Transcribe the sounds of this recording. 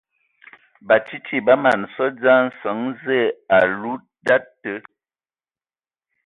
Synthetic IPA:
ba˨t͡ʃi˦t͡ʃi˦ba˦ma˨nsɔ˦d͡za˦n̩˨˦sɔ˨˦ŋzɛ˦˨a˨lu˦ | da˦tːə˨˦

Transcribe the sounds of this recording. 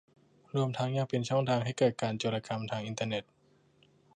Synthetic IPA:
ɾu˧əmt̪ʰa˦˥ŋjaː˥˩ŋpe˧nt͡ɕʰɔ˥˩ŋt̪ʰaː˧ŋhɦa˥˩jkɤː˨˩t̪̚kaː˧nt͡ɕo˧˩laː˧kʰa˧mt̪ʰaː˧ŋʔi˧nt̪aː˧ne˨˩t̪̚

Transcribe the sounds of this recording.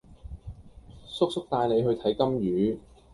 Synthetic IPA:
sʊ˥k̚sʊ˥k̚t̪aː˧jle˨˧jɦɵ˧t̪ʰɐ˨˥jkɐ˥mjyː˨˥

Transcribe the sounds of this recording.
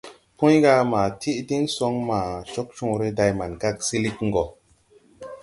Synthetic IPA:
pũ˦jɡa˧ma˨tʰi˦ʔdi˦nso˧ŋma˨ʃo˦k̚t͡ʃũ˧ɾe˦da˧jma˨nɡa˦ksi˦li˦kŋ̩˦ɡo˨

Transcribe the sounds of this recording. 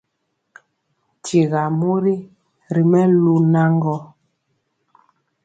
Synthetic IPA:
t͡ʃi˨ɣa˨mu˦ɾi˦ | ɾi˨mɛ˦lu˦na˦ŋɡɔ˦

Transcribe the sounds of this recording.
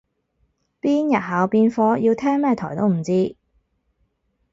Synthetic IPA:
piː˥njɐ˨t̚ɦaː˨˧wpiː˧nfɔː˧jiː˧wt̪ʰɛː˥ŋmɛː˥˩t̪ʰɔ̰ː˨˩jt̪o˥wm̩˨˩t͡siː˥

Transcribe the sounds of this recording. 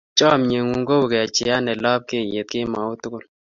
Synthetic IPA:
t͡ʃɔ˦˨mɲe˨ŋu˨ŋɡo˦wkɛ˨a˨t͡ʃɪ˨a˦nɛ˨lɔ˦p̚kɪ˦˨je˨t̪̚kɪ˦ma˨u˦tʊ˦kʊ˦˨l

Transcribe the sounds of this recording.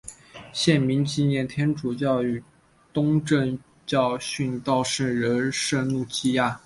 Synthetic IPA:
ɕjɛ˥˩nmi˧˥nt͡ɕi˥˧njɛ˥˩nt̪ʰjɛ˥nʈ͡ʂu˨˩t͡ɕjɑ˥˧ʊy˨˩ | t̪ʊ˥ŋʈ͡ʂə˥˧ŋ | t͡ɕjɑ˥˧ʊɕy˥˧nt̪ɑ˥˧ʊʂə˥˩nɻə˧˥nʂə˥˧nnu˥˩t͡ɕi˥ja˥˩

